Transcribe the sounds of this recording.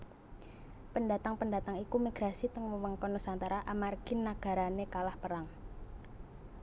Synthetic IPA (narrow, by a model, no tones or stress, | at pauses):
pəndat̪aŋpəndat̪aŋikumiɡ̥ɾasit̪əŋməwəŋkɔnusant̪aɾaʔamarɡ̥ɪnːaɡ̥a̤ɾanekalahpəɾaŋ